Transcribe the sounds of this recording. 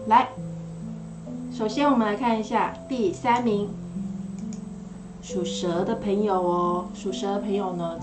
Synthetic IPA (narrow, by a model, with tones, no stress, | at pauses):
la˧˥ɪ | ʂo˨˩ʊɕjɛ˥nwɔ˨˩mə˦nla˧˥ɪkʰa˥˩ni˧˥ɕja˥˧t̪i˥˩sa˥nmi˧˥ŋ | ʂu˨˩ʂɤ˧˥d̪ə˧pʰə˧˥ŋjo˨˩ʊ˩ʂu˨˩ʂɤ˧˥d̪ə˧pʰɤ˧˥ŋjo˨˩ʊnə˦